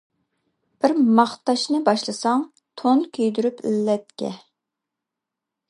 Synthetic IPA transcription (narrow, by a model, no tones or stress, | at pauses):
b̥ɪɾmɑχt̪ɑʃnɨbɑʃlˠɨsɑŋ | t̪ʰonkʲʰøjd̪yɾypʰḭlːɛt̪̚kʲɛ̰